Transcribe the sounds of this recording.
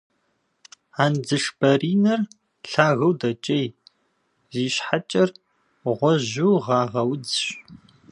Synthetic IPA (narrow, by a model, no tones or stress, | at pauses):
aːnd͡zɨʂbɐriːnɐr | ɬaːɣɐwdɐt͡ʃʼɐj | ziːɕħat͡ʃʼɐr | ʁʷɔʑuwʁɑːʁɐwd͡zɕ